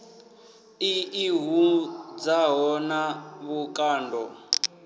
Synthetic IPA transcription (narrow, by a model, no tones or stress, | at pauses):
iiɦud͡zaɦɔnaβukʼaːndɔ